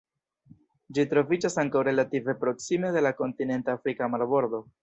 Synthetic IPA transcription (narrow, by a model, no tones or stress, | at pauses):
d͡ʒitɾo̞vid͡ʒasaŋkawɾe̞lative̞pɾo̞ksime̞d̪e̞lako̞ntine̞ntaːfɾikamaɾbo̞ɾd̪o̞